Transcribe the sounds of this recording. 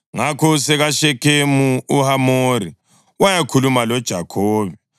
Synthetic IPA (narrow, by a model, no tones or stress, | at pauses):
ŋakʰɔsɛɣaʃɛkʰemuuhamoɾi | wajakʰulumalɔd̥ʒ̥ʱakʰoːβɛ